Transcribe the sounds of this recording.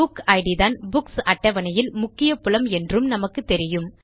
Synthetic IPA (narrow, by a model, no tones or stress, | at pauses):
ʊkɐɪɽɪðaːnbʊksɐʈːɐʋɐnɐjɪlmʊkːɪjɐpʊlɐmɛndrɯmnɐmɐkːɯt̪ːɛɾɪjɯm